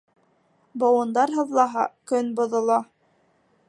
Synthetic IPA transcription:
bowɤ̆nd̪ɑɾɦɤ̆ðlˠɑɦɑkɵnbŏðŏlˠɑ

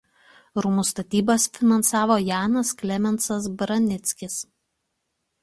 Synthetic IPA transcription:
ɾʊmʊst̪ɐt̪ʲiːbɐsfʲɪnɐnsɑːʋoːjɑːnɐsklʲɛmʲɛnt̪sɐs̬bɾɐnʲɪt̪sʲkʲɪs

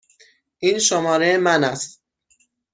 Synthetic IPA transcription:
ʔiːnʃomɒːɾemænæst̪

